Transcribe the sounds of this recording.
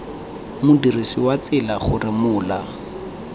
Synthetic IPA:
mʊdirisiwat͡sɪlaχʊrɪmʊːla

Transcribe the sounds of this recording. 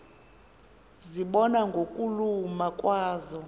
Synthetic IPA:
ziɓɔnaŋɡʱokʼulumakʼwaːzɔ

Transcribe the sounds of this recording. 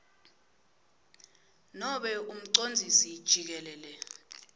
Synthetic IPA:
nɔɓɛʔum̩ǀond͡zʱisid̥ʒ̥ʱik̬ɛlɛːlɛ

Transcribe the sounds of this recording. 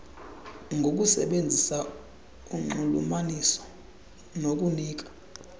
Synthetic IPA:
ŋɡʱok̬ʼusɛ̰ɓend͡zʱisa | uŋ͡ǃulṵmanisɔ̥ | nok̬ʼuniːk̬ʼḁ

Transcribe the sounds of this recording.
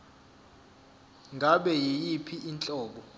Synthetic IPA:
ŋɡʱaɓɛjijipʰiint͡ɬʼɔːɓɔ

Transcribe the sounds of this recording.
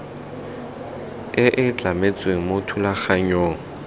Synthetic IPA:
ɪʔɪt͡ɬamet͡sʼweŋ̩motʰulaxaɲoːŋ̩

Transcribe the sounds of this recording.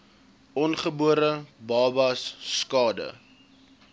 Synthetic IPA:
ɔnχəbuəɾəbɑːbɐsːkɑːdə̰

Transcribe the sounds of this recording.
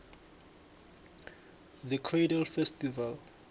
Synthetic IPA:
ðəkʰrejdalfɛstival

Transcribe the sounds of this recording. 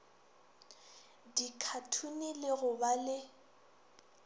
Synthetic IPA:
dikʰatʰunilɪɣʊbalɪ

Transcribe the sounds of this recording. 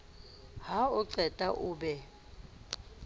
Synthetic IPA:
ɦaʊǀɛtʼaʔʊːbɛ

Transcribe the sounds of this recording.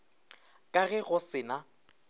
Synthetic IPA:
kʼaɣɛɣʊsɪna

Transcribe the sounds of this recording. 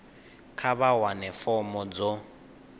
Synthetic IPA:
kʰaβawanɛfɔmɔd͡zɔ

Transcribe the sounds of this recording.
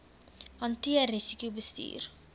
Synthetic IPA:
ɐntiərisikjubəstḭːr

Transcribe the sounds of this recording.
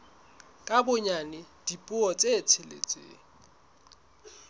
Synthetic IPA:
kʼabʊɲanɪd̥ipʼʊɔt͡sʼet͡sʰɪlḛt͡sʼḛː

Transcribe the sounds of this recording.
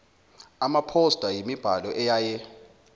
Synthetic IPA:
amapʰɔsd̥ʼʱajimib̥ʱalɔʔɛjajɛ

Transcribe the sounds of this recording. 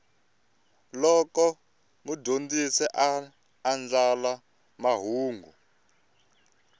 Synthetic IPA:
lɔkɔ | mudʱond͡zisɛʔaː | nd͡ɮala | maɦuːŋɡu

